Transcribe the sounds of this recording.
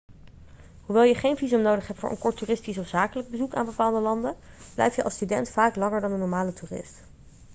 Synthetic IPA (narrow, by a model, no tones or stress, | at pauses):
ɦuʋɛlˠjəχejnvizəmnowdəχɦɛp̚tfʊ̰ːɹʔə̰nkɔɹtyːrɪstisɔfz̥aːkələɡ̚bəzuka̰ːnbəpaːlˠdəlɑndə | b̥lɛ̰jftjəʔɑ̰lˠstydɛntfaːklɑŋəɹdɑndənɔɹmaːlətuːrɪ̰st